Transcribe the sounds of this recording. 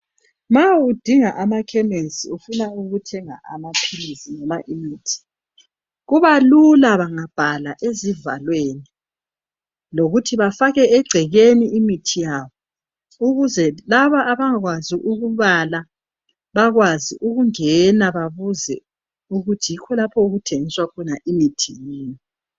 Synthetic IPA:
maud̥ʱiŋaʔamakʰɛmesiufunauɣutʰɛŋa̰ʔa̰mapʰilisinɔmaʔimiːtʰi̥ | ɣuβalulaβaŋab̥ʱalaʔeziva̰lweːni | loɣutʰiβafaɣɛɛɡ͡ǀʱɛɣeniimitʰijaːβɔ | uɣuzɛlaβaʔːβaŋaɣwaziʔuɣuβala | βaɣwaziʔuɣuŋɛnaβaβuzɛ̰ | uɣutʰijikʰɔlapʰɔuɣutʰeŋiswakʰɔnaʔimitʰijeːni

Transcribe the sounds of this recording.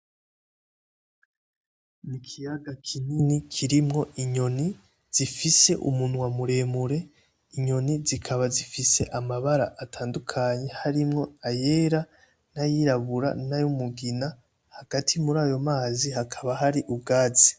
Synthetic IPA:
nikʰijaɡakʰininikʰiɾimŋo̞ʔiɲo̞ni | z̥ifise̞ʔṵmunwamuɾe̞ːmuɾe̞ | iɲo̞nizikʰaβazifise̞ʔamaβaɾaʔːtʰaːndukʰaɲe̞haɾimŋo̞ajeːɾa | najiɾaβuɾa̰najumuɡina | haɡ̥atʰimuɾaːjo̞maːzihakʰaβaɦaɾiʔubɡaːzi̥

